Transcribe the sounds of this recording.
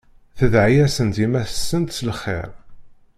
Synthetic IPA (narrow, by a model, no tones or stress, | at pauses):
θəðʕjæsənt̪imæθə̥sːənt̪slχːḛɾˤ